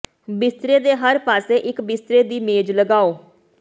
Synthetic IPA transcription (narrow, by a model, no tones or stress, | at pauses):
bɪst̪ɾeːd̪eːɦəɾpaːseːʔɪkbɪst̪ɾeːd̪iːmeːd͡ʒləɡaːoː